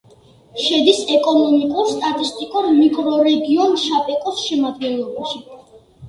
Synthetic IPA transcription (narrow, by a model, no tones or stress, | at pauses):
ʃɛd̪isɛkʼɔnɔmikʼuɾst̪ʼat̪ʼist̪ʼikʼuɾmikʼɾɔɾɛɡiɔnʃapʼɛkʼɔsʃɛmad̪ɡɛnlˠɔbaʃi